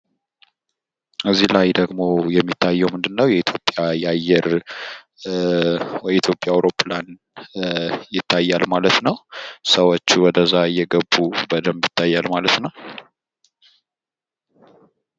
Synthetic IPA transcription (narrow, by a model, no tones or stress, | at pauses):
ʔɨzːilajd̪əɡmo̞jɛmːit̪ʰːajːɛwmɨnd̪ɨnːəwjɛit̪ʰjo̞pʼjajajːɛɾ | wjit̪jo̞pʼjawɾo̞pʰlan | jɪt̪ʰːajːalmalət̪nəwsəwot͡ʃːuwɔd̪əzajːɛɡəbːubəd̪əmjɪt̪ʰːajːalmalət̪nəw